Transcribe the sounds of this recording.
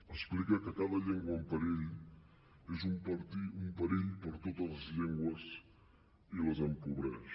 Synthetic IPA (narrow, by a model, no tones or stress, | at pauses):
əsplikəkəkaðəʎeŋɡwəəmpəɾeʎ | ezumpəɾt̪iumpəɾeʎpəɾt̪ot̪ələzʎeŋɡwəz | iləzəmkuβɾɛʃ